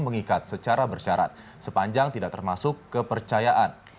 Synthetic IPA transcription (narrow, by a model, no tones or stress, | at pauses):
məŋikat̪̚sət͡ʃaɾabərʃaɾa̰t̪̚ | səpaɲd͡ʒaŋt̪idaʔ̚t̪ərmasʊkːəpərt͡ʃajaʔan